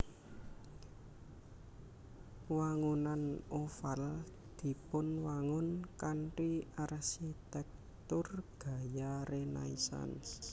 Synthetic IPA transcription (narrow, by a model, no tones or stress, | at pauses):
waŋunanofal | d̪̥i̤pʊnwaŋʊnkanʈiarsit̪ɛk̚ | t̪ʊrɡ̥a̤jaɾena̰isa̰ns